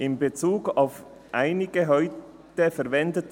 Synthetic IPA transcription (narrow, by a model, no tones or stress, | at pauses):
ʔɪmbet͡suːɡaʊf | ʔaɪnɪɡ̥əɦɔʏtəfɛɐvɛndət